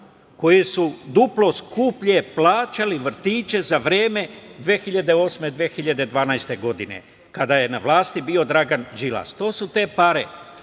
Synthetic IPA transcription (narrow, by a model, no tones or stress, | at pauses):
ko̞jesud̪uplo̞skupʎeplaːt͡ʃaliʋr̩t̪iːt͡ʃe̞zaʋɾeːme̞d̪ʋeːxiʎad̪e̞o̞ːsme̞d̪ʋeːxiʎad̪e̞d̪ʋaːnajst̪e̞ɡo̞d̪ine̞̰ | kad̪aje̞naʋlˠaːst̪ibiːo̞d̪ɾaɡand͡ʒila̰st̪o̞ːsut̪e̞ːpaɾe